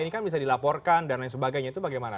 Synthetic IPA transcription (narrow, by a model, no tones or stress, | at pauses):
inikanbis̬adilapɔrkandanjans̬əbaɡajɲat̪ubaɡajmana